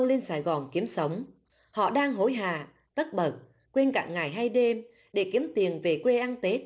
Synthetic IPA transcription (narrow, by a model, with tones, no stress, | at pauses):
ə˧wle˧nsaː˧˩jɣɔ˨˩nki˨˦əmsə˨˦wŋ͡m | hɔ̰˧˨ɗaː˧ŋɦo˨˦jɦa̰ː˧˨ | t̪ə˦˥t̚ɓə˨˩t̚ | kwe˧nka̰ː˧˨ŋŋa˨˩jɦa˧jɗe˧m | ɗe˧˩ki˨˦əmt̪i˨˩ənve˨˩kwe˧ʔa˧nt̪e˦˥t̚